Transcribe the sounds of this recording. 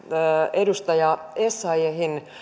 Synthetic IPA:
edust̪ɑjɑesːɑieɦin

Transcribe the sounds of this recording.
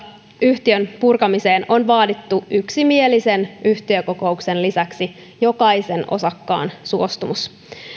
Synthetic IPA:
yht̪iønpurkɑmise̞ːno̞nʋɑːdit̪ːuʔyksimielise̞nyht̪iøko̞ko̞ukse̞nlisæksi | jo̞kɑise̞no̞̰sɑkːɑ̰ːnsuo̞st̪umus

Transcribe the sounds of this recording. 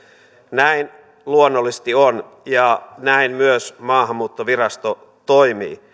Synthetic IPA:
næin | luonːolːist̪ion | jɑnæinmyøsmɑːɦɑmːuːt̪ːoʋiɾɑst̪o | t̪oimḭː

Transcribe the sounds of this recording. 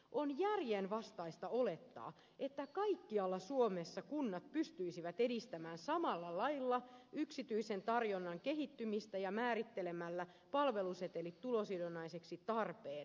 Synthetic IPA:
ʔonjærjenʋɑst̪ɑist̪ɑole̞t̪ːɑ̰ː | et̪ːækɑikːiɑlːɑsuomesːɑkunːɑt̪̚pyst̪yisiʋæt̪edist̪æmæːnsɑmɑlːɑlɑjlːɑyksit̪yisent̪ɑrjonːɑŋkeɦit̪ːymist̪æjɑmæːɾit̪ːelemælːæ | pɑlʋe̞luset̪elit̪tulosidonːɑiseksit̪ɑrpeːn

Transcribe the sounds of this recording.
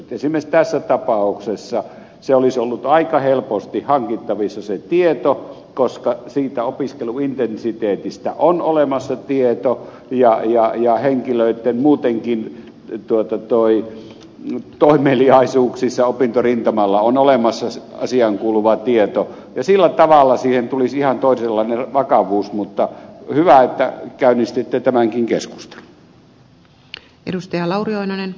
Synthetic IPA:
t̪esimest̪æsːæt̪ɑpɑuksesːɑ | seolisolːut̪ɑikɑhelpost̪ihɑŋkit̪ːɑʋisːɑset̪iet̪o | koskɑsiːt̪æopiskeluint̪ensit̪eːt̪ist̪æʔonolemɑsːɑt̪iet̪o | jɑjɑjɑheŋkiløˑit̪ːenmuːt̪eŋkin | t̪uot̪ɑt̪oi | t̪oˑimˑeːliɑˑisuːksisːɑopint̪orint̪ɑmɑlːɑonolemɑsːɑɑ̰siɑŋkuːluʋɑt̪iet̪o | jɑsilːæt̪ɑʋɑlːɑsiːhent̪ulisihɑnt̪oˑiselːɑˑinerʋɑkɑʋuːsmut̪ːɑhyʋæet̪ːæ̰kæˑynist̪it̪ːet̪æmæŋkiŋkḛsku̥st̪e̥lu̥ | ḛdust̪ɑjɑlɑurioinɑnen

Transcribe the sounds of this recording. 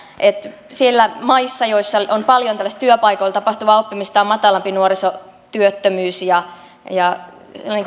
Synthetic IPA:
ʔet̪ | sielːæmɑisːɑjoisːɑonpɑljonælːst̪t̪yøpɑikoilt̪ɑpɑht̪uʋɑopːimist̪ɑːmmɑt̪ɑlɑmpinuoriso | t̪yøt̪ːømyːsjɑ | jɑ | niːŋk

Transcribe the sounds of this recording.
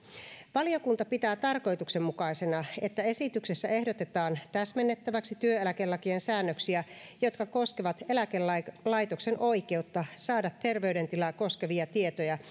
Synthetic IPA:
ʋɑlio̞kunt̪ɑpit̪æːt̪ɑrko̞jt̪uksemmukɑisenɑet̪ːæesit̪ykse̞sːæe̞hdot̪et̪ɑːnt̪æsmenːet̪ːæʋæksit̪yøelækelːɑkiensæːnːøksiæjot̪kɑko̞skeʋɑt̪elækelɑlɑjt̪okse̞nʔo̞ike̞ut̪ːɑsɑːdɑt̪ːe̞rʋeydent̪ilɑkoskeʋiɑt̪ie̞t̪ojɑ

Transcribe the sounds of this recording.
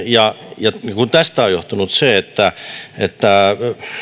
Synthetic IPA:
jɑjɑkunt̪æst̪æojoht̪unut̪seet̪ːæet̪ːæ

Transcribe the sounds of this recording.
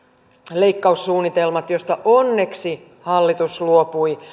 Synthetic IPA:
le̞ikːɑusːuːnːit̪e̞lmɑt̪jo̞st̪ɑʔo̞nːe̞ksi | hɑlːit̪usluopui

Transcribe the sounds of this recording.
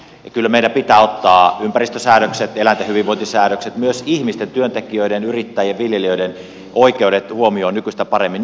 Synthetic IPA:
ɑkylːæmeiɾæpit̪æːot̪ːɑːympærist̪øsæːnøkset̪elænt̪æhyʋiʋoint̪isæːnøkset̪myøsihmist̪ent̪yønt̪ekiøiɾenyrit̪ːæjjɑʋʋiljeliøiden | ʔoikeudet̪huomioːnykyst̪æpɑremːin

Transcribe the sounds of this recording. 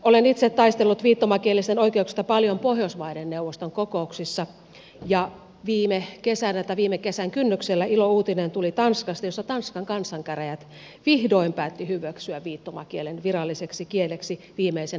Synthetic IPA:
olenit̪set̪ːɑist̪elːut̪ʋiːt̪ːomɑkielːist̪enoikeuksi̥st̪ɑpɑljompohjosʋɑidenːeuʋːost̪oŋkokouksisːɑ | jɑ | ʋiːmekesænæt̪ɑʋiːmekesæŋkynːykselːæilouːt̪inent̪ulit̪ɑnskɑst̪ɑjosːɑt̪ɑnskɑŋkɑnsːˑɑŋkæræjæt̪ | ʋihdoimpæːt̪ːihyʋæksyæʋʋiːt̪ːomɑ̰kielenʋirɑlːiseksikieleksi | ʋiːmeisen

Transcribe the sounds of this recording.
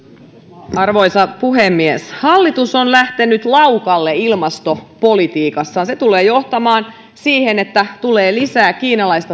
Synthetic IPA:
ɑrʋojsɑpuɦemːieshɑlːit̪usonlæht̪enyt̪lɑwkɑlːeilmɑst̪opo̞lit̪iːkɑsːɑːnset̪uleːjo̞ht̪ɑmɑːn | siːhenet̪ːæt̪uleːlisæːkiːnɑlɑist̪ɑ

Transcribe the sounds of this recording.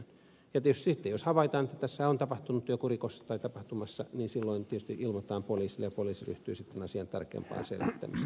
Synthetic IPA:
jɑt̪iet̪yst̪isit̪ːejoshɑʋɑit̪ɑnet̪ːæt̪æsːæont̪ɑpɑht̪unut̪ːyøkurikosːɑ̥t̪ɑit̪ɑpɑht̪umɑsːɑniːnsilːoint̪iet̪yst̪iʔilmot̪ɑːmpoliːsilːejɑpoliːsiry̰ht̪yːsit̪ːenɑsiɑnt̪ɑ̰rkˑḛːmpɑ̰ːnsḛlʋit̪ːæ̰mis

